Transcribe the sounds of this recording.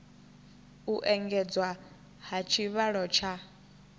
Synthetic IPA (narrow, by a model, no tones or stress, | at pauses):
uʔɛŋɡɛd͡zwa | ɦat͡ʃʰiβaɺɔt͡ʃʰa